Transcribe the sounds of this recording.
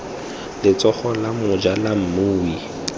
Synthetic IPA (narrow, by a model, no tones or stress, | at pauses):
lɪt͡sɔχɔlamʊd͡ʒalam̩mʊːwi